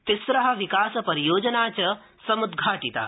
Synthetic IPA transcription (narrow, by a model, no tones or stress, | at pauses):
t̪isɾɐɦɐ̆ʋikaːsɐpɐɾijoːd͡ʒɐnaːt͡ɕɐ | sɐmud̪ɡʱaːʈit̪a̰ː